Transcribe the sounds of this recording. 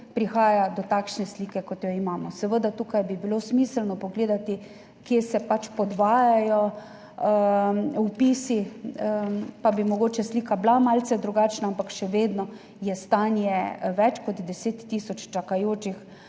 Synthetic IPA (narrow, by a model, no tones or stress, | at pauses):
pɾixaːjad̪ɔt̪akʃnɛsliːkɛkɔt̪jɔimaːmɔsɛʋəd̪at̪uːkajbibilosmiːsəlnɔpɔɡleːd̪at̪i | kjesɛpat͡ʃpɔd̪ʋaːjajɔ | wpiːsi | pabimɔɡoːt͡ʃɛslikablamalsɛd̪ɾuɡaːt͡ʃnaampakʃɛʋeːd̪nɔ | jɛst̪anjɛʋɛt͡ʃkɔt̪d̪ɛseːt̪ːiːsɔt͡ʃt͡ʃakajoːt͡ʃix